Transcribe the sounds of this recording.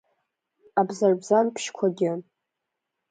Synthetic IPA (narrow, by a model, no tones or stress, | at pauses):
abzarbzanpʰʃkʷʰaɡʲɪ